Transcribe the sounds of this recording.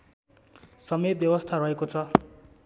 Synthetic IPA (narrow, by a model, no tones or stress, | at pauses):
sʌmet̪̚bjʌbʌst̪ʰaɾʌɦekot͡sʰʌ